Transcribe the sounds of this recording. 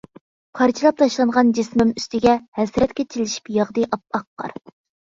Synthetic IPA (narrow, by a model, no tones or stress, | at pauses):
pʰɑɾt͡ʃʰilˠɑp̚t̪ʰɑʃlˠɑnʁɑnd͡ʒismymyst̪ɪɡʲɛhɛsɾɛt̪kʲɛt͡ʃʰilɪʃi̥pjɑʁd̪ɨjʔɑp̚ɑqːɑ̰ɾ